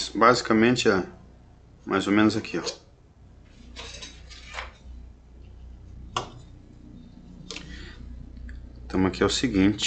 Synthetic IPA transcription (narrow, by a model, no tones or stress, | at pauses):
sbazikɐmẽnt͡ʃɪɛ | mʔa̰jzomẽnʊzakʰiɛ | t̪ɐ̃mɐkiɛʊsiɡĩt͡ʃ